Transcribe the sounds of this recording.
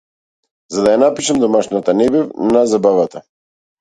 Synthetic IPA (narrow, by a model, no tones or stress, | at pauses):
zad̪ajanapiʃamd̪ɔmaʃnat̪anɛbɛvnazabavat̪a